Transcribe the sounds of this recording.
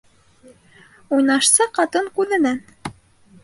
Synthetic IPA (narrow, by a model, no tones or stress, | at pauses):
ujnɑʃsɑqɑt̪ɤŋkʉðɘ̆næn